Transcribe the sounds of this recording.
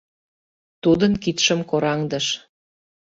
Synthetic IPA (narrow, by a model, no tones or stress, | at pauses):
t̪ud̪ənkit̪ʃə̆mkoɾɑŋd̪ə̆ʃ